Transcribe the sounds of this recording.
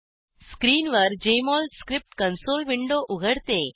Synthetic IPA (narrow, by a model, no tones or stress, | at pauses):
skɾiːnʋəɾd͡ʑemɔlskɾip̚ʈkənsolʋiɳɖoʔuɡʱəɽt̪e